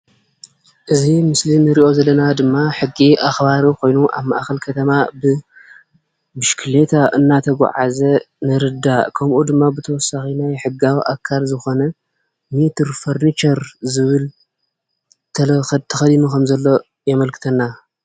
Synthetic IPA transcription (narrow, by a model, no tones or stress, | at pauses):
ʔɨzimɨslinɨɾiʔo̞zɐlːɐnad̪ɨmːaħɨɡːiʔaxbaɾikʰo̞jnuʔa̰βma̰ʔxɐlkʰɐt̪ʰɐmabɨ | bɨʃkʰɨle̞t̪ʰaʔɨnːat̪ʰɐɡʷa̰ʕa̰zɐ | nɨɾɨd̪akʰɐmʔud̪ɨmːabɨt̪ʰɐwɔsːaxinajħɨɡawiʔa̰kʰalzɨxo̞nɐ | mit̪ʰɨɾfoɾnit͡ʃɐɾzɨβɨl | t̪ʰɐlt̪ʰɐxɐd̪inukʰɐmzɐlːo̞ | jɐmɐlkʰɨ̥t̪ʰɐnːa